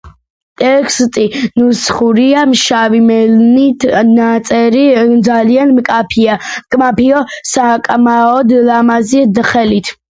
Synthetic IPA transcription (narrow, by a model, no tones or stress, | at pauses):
t̪ʼɛkʰst̪ʼinusχuɾiamʃavimɛlnit̪ʰnat̪sʼɛɾid̪zalianmkʼapʰiakʼmapʰiɔsakʼmaɔd̪lamazid̪χɛlit̪ʰ